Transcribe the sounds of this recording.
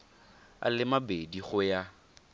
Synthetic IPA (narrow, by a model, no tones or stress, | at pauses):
a̰lɪmabediχʊja